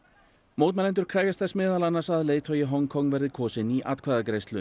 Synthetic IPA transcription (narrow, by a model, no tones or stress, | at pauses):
moːwt̪mɛlɛnt̪̬ʏɾ̥kʰɾaːɣjast̪θɛsmɪːðalanaɾsaðleːjt̪ʰœjɪɦɔŋkʰɔŋːvɛɾðɪkʰɔːsɪniʔa̰t̪kʰvaːðakɾejst̪lʏ̰